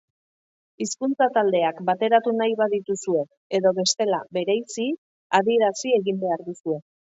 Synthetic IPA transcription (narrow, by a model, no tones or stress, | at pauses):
iskunt͡sat̪ald̪e̞akbat̪e̞ɾat̪unajβaðit̪usue̞ | eðo̞βe̞st̪e̞labe̞ɾejsi | aðie̞ɾasie̞ɣimbe̞aɾðusue̞